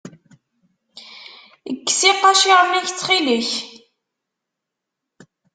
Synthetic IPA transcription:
əɡːsiqːɑʃiʁəmːæçt͡sːχiliç

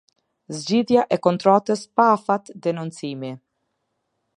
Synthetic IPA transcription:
zd͡ʑiðjaʔɛkɔnt̪ɾɔt̪əspafat̪d̪ɛnunt͡simi

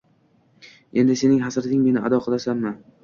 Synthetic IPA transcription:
e̞nd̪ɪse̞nɪŋɦasɾɪt̪ɪŋmenɪʔa̰d̪ɒqʰɨlˠasanma

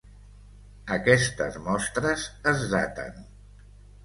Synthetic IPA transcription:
əkɛst̪ə̰zmɔst̪ɾəzəzða̰t̪ə̰n

